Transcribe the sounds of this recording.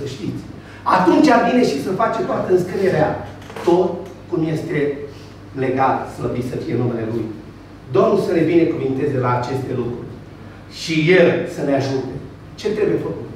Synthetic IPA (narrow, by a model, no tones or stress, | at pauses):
səʃt̪it̪sʲ | at̪unt͡ʃabine̞ʃisəfat͡ʃet̪oat̪əɨnskɨneɾea | t̪ot̪ | kumje̞st̪e̞ | le̞ɡalsləbit̪səfije̞nume̞le̞luj | d̪o̞mnulsəle̞bine̞kuvint̪e̞zelaːt͡ʃe̞st̪e̞lukɾurʲ | ʃije̞lsəneaʒut̪e̞ | t͡ʃe̞t̪ɾe̞buje̞fəkut̪